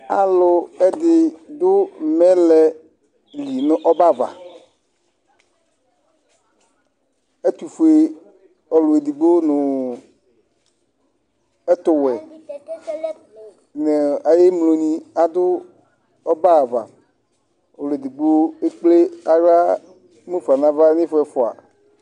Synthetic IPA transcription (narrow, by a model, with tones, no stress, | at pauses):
a˨lʊ˨ɛ˦d̪ɪ˨d̪ʊ˦mɛ̃˦lɛ˨ | li˨nʊ˨ʔɔ˦ba˦˨va̰˨ | e˦t̪u˨fu˨e˨ | ɔ˨lʊ˨e˨d̪i˨ɡ͡bo˦nʊ˨ | ɛ˦t̪ʊ˨wɛ˨ | ne˨a˨je˦mlo˨ɲĩ˨a˨d̪ʊ˦ | ɔ˦ba˦˨va̰˨ | o˨lʊ˨e˨d̪i˨ɡ͡bo˦e˦k͡ple˦a˨ɣa˦ | mẽ˦fu˨a˨nã˦va˦ɲĩ˦fɛ˨fʊ˨a̰˨